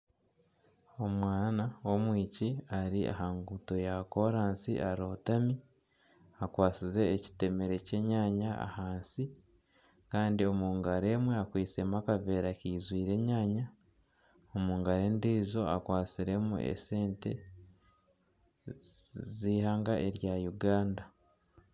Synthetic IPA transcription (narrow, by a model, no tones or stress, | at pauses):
o̞mwaːnawo̞mwiːciaɾia̰ɦaːŋɡuto̞jako̞ɾaːnsḭʔaɾo̞ːtami | akwaːt͡size̞ːci̥te̞me̞ɾe̞ce̞ɲaːɲaa̰haːnsi | kaːndio̞muːŋɡaɾe̞mweakwiːt͡se̞makave̞ːɾakiːzwiːɾe̞ːɲaːɲa | omuːŋɡaɾe̞ːndizo̞a̰kwaːt͡siɾe̞mṵʔḛse̞ːnte̞̰ | ziːhaːŋɡaʔe̞ɾjajuɡaːnda